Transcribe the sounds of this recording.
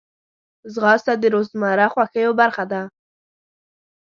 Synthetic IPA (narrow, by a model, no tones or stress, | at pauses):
zɣɑst̪ad̪əɾozmɑɾaxwaxəjobaɾxad̪a